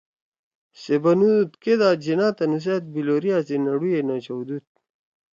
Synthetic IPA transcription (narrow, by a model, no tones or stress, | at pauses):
sebɐnut̪ked̪aːd͡ʑinaːt̪ɐnus̬et̪̚biloɾijaːsinɐɽujenat͡ɕɐwd̪ut̪̚